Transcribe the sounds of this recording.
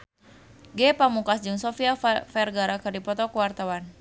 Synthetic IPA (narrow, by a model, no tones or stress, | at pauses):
ɡɛpamukasd͡ʒɨŋsɔfiafɛrɡaɾakɨrdipɔt̪ɔkuwart̪awan